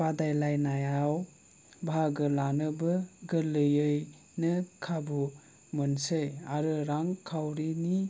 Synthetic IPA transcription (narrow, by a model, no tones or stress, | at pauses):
adajlajnajaw | bʱaɡɯlanɯbɯɡɯlɯjɯj | nɯkʰabu | mɯnsɯjaɾɯɾaŋkʰawɾini